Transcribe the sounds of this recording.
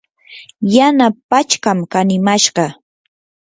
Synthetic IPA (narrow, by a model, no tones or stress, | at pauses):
janapat͡ʃkamkanɪmaʃɢɑ